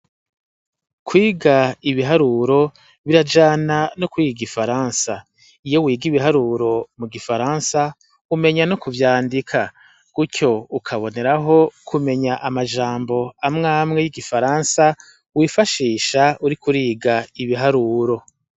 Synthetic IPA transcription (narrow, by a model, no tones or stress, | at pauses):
kwiːɡaiβiɦaɾuːɾo̞ | βiɾad͡ʒananokwiːɡiɡifaɾansa | ijo̞wiːɡiβiɦaɾuːɾo̞muɡifaɾaːnsa | ume̞ɲanokuvjaːndikʰa | ɡ̥ucʰo̞ukʰaβo̞ne̞ɾaɦo̞kʰume̞ɲaʔamad͡ʒaːmbo̞amŋaːmŋe̞jiɡifaɾaːnsa | wiːfaʃiːʃauɾikʰuɾiːɡaiβiɦaɾuːɾo̞